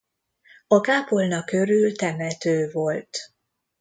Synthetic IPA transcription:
ɒkaːpolnɒkːø̞ɾylt̪ɛmɛt̪øːvo̞lt̪

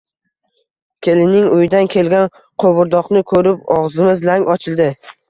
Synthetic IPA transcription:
kʲʰe̞lɪnɪŋʊjd̪ankʲʰe̞lɡʲan | qʰowʊɾd̪ɒqnɪkʰɵɾɪpɒʁzɪmɪzlaŋʲɒt͡ʃʰɪlˠd̪ɪ

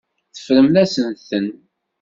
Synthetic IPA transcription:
θə̥fɾəmðæsənθən

